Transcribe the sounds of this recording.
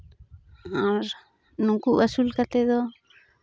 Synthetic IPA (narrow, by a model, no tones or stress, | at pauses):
ãɾ | nũkuʔβasulkat̪eðo